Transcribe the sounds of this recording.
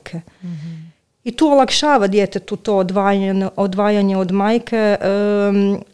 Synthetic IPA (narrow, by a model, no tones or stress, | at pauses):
kʰe | it̪uːolˠakʃaːʋad̪jeːt̪et̪ut̪o̞d̪ʋaːjnʔod̪ʋaːjaɲeod̪maːjkʰeʔ